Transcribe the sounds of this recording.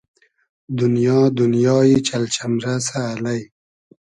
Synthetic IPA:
d̪ʊnjɑːd̪unjɑːjit͡ʃalt͡ʃamɾasaːlaj

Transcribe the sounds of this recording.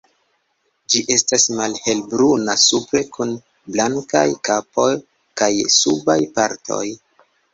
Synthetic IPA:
d͡ʒiʔe̞stasmalhe̞lbɾunasupɾe̞kʰun | blaŋka̰jkapo̞j | kajsubajpaɾtʰo̞̰j

